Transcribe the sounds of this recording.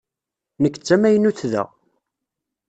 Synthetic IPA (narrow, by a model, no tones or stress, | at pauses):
nəkːə̥t͡sːæmæjənuθðæ̰